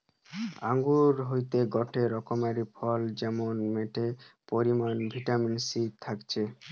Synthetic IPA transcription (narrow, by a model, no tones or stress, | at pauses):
a̰ŋɡuɾɦojt̪eɡɔʈeɾɔkɔmaɾipʰɔld͡ʑɛmonmeʈepɔɾimanbʱiʈaminsit̪ʰakt͡ɕʰe